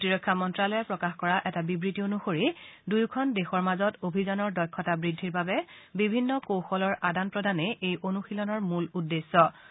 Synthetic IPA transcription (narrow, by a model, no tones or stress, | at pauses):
tiɹɔkʰːamɔntɹalɔjɛpɹɔkaxkɔɹaʔɛtabibɹitionuxoɹidujkʰɔndexɔɹmazɔtobʱizɔnɔɹdɔjkʰːɔtabɹidʱːiɹbabɛbibʱinːɔkowxɔlɔɹʔadanpɹɔdanɛʔejonuxilɔnɔɹmuludːesːɔ